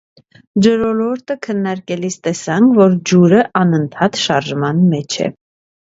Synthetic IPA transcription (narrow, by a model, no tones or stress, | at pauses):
d͡ʒəɾɔlɔɾt̪əkʰənːɑɾkɛlist̪ɛsɑŋkʰvɔɾd͡ʒuɾəʔɑnənt̪ʰɑt̪ʃɑɾʒmɑnmɛt͡ʃʰɛ̰